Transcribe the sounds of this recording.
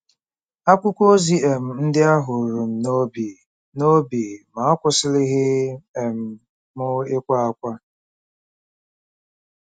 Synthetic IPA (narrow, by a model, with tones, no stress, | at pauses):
a˦kʷʊ˦kʷo˦zi˦e˨m̩˨n̩˦dɪ˦a˦ɦʊ˨ɾu˨m̩˨no˦bi˨ | no˦bi˨ma˨a˦kʷʊ˦sɪ˦lɪ˦ɦɪ˦e˨m̩˦˨ | mʊ˦ɪ˦kʷa˦a˦kʷa˦